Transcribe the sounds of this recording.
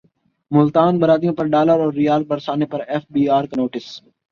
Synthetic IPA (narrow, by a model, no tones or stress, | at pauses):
mʊlt̪aːnbəɾaːd̪ijõːpɐɾɖaːləɾɔːɾːɪjaːl̚bəɾsaːnepɐɾɛːfbiːaːɾknoːʈɪs